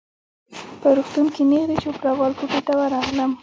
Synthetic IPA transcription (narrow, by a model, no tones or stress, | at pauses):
pəɾuxt̪unkenexd̪et͡ʃopɾɑɣɑlkopeʈ̪awaɾɑɣləm